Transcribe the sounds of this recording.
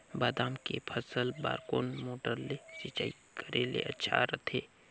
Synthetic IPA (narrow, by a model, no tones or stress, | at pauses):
baːd̪aːmkepʰəsəlba̰ːɾkoːnmoːʈəɾlet͡ʃit͡ʃaːi | kəɾelḛʔɐtːʃʰa̰ɾət̪ʰeː